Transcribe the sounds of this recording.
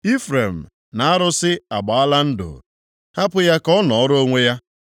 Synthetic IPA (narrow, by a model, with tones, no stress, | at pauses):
i˦fɾe˨m̩˨ | na˨a˦ɾʊ˦sɪ˦a˨ɡ͡ba˨a˦la˦n̩˦dʊ̰˨ | ha˦pʊ˦ja˦kɔ˦nɔ˨ɔ˦ɾo˦ŋʷe˦ja˦